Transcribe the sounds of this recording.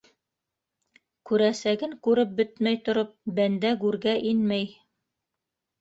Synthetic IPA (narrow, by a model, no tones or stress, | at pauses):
kʉɾæsæɡɘŋkʉɾɘp̚bɘt̪mæjt̪ŏɾop̚bænd̪æɡʉɾɡæʔinmæj